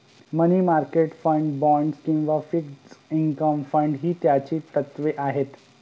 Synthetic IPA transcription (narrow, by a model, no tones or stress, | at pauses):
məniːmaɾkeʈfəɳɖbɔ̃ɳɖskĩw̃ʋafiksiŋkəmfəɳɖɦiːt̪jat͡ɕiːt̪ət̪ʋeʔaɦet̪